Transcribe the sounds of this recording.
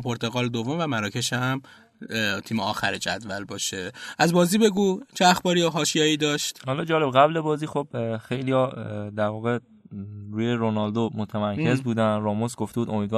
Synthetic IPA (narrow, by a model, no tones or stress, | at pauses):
pʰoɾt̪ʰeɣɒːld̪ovomvæmæɾɔːcʰe̞ʃæm | t̪ʰiːmeɒ̰ːxæ̰ɾed͡ʒæ̰d̪væ̰lbɒːʃeʔæzbɒːziːbe̞ɡuːt͡ʃʰeæxbɒːɾioɦɒːʃijɒːiːd̪ɒːʃt̪hɒːlɒːd͡ʒɒːle̞bɣæblebɒːziːxo̞bxe̞jlijɒd̪æɾvɒːɣe̞ | ɾuːjeɾonɒld̪omot̪ʰæmæɾcʰe̞zbuːd̪ænrɒːmosɡoft̪ebuːd̪omiːd̪vɒ